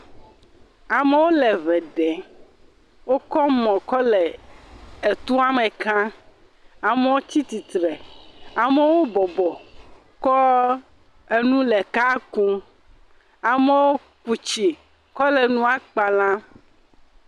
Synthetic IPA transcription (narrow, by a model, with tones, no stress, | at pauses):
a˨me˦wo˦lɛ˨βɛ˨ɖɛ˨ | wo˦kɔ˦mɔ̃˨kɔ˦lɛ˨ | e˨t̪u˦a˦mẽ˨kã˦ | a˨me˦wo˦t͡ɕ̪i˦t̪i˨t̪ɾɛ˨a˨me˦wo˦bɔ˨bɔ˨ | kɔ˦ | e˦nũ˦lɛ˨ka˦kũ˦ | a˨me˦wo˦ | ku˨t͡ʃi˨ | kɔ˦lɛ˨nũ˦a˦k͡pa˨lã˦